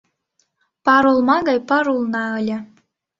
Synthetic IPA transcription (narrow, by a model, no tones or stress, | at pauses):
pɑɾulˠmɑɣɑjpɑɾulˠnɑɤlʲɤ̆